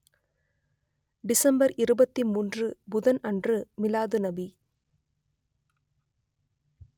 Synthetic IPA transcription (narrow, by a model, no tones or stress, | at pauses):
ɖɪsɐmbɐɾʔɪɾɯbɐt̪ːimuːndrɯbʊðɐnɐndrɯmɪlaːðɯnɐbi